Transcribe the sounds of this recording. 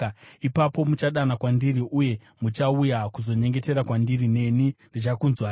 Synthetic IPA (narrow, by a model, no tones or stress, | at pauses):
ipapo̞mut͡ʃaɗanakwandiriʔuje̞ | mut͡ʃaujakuzo̞ɲe̞ŋɡe̞te̞ɾakwandirine̞nindit͡ʃakunzwa